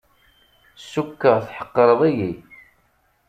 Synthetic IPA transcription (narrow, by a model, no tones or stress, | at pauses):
sːukːəʁθħə̥qːɾˤəðˤiji